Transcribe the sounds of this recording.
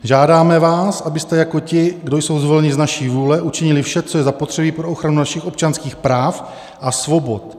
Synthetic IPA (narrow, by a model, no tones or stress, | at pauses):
ʒaːdaːmɛvaːsʔabɪst̪ɛjako̞cɪɡdo̞jso̞wzvo̞lɛɲɪznaʃiːvuːlɛʔut͡ʃɪɲɪlɪfʃɛt͡sojɛzapot̪r̥ɛbiːpɾo̞oxɾanunaʃɪxop̚t͡ʃanskiːxpɾaːf | ʔasvo̞bo̞t̪